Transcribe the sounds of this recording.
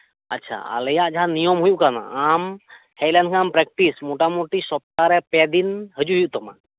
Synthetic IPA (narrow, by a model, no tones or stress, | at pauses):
ətːt͡ʃʰa̰a̰lɛjaʔd͡ʒaɦãnijɔmɦujuʔkana̰am | hɛjlankʰãampɾɛk̚ʈismoʈamoʈisɔp̚t̪aɾɛpɛd̪inɦəd͡ʒuɦujuʔt̪ɔma̰